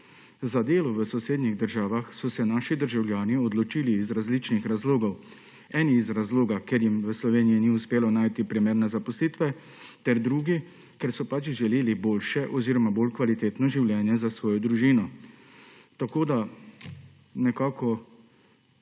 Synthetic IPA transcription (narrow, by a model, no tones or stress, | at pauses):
zad̪eːlɔʋəsɔseːd̪niɣd̪əɾʒaːʋaxsɔsɛnaːʃid̪əɾʒawljaːniɔd̪lɔt͡ʃiːliːzɾazlit͡ʃnixɾazloːɡɔw | ɛːniːzɾazloːɡakeɾjimʋəslɔʋeːniiniuspeːlɔnaːjt̪ipɾimeːɾnɛzapɔsliːt̪ʋɛ | t̪ɛɾd̪ɾuːɡi | kɛɾsɔpat͡ʃʒɛleːliboːlʃɛʔɔziːɾɔmaboːlkʋalit̪eːt̪nɔʒiwljɛːnjɛzasʋɔːjɔd̪ɾuʒiːnɔ | t̪akoːd̪a | nɛkaːkɔ